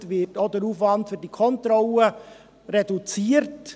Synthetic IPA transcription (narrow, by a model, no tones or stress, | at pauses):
tʋɪtod̪əɾuːfʋɑntfyɾdikʰɔntɾɔlə | ɾedut͡siːəɾt